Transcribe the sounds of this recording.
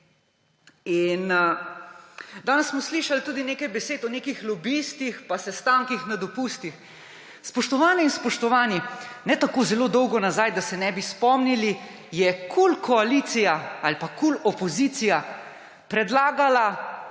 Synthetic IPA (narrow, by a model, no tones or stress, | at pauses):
in | d̪aːnɛssmɔsliːʃalt̪uːd̪ineːkajbɛseːt̪ɔneːkixlɔbist̪ixpasɛst̪aːŋkixnad̪ɔpust̪ix | spɔʃt̪ɔʋaːnɛinspɔʃt̪ɔʋaːninɛt̪akoːzɛloːd̪ɔwɡɔnazaːjd̪asɛnɛbispɔmnili | jɛkʰulkʰɔalit̪sijaalpakulɔpɔzit̪sija | pɾɛd̪laːɡala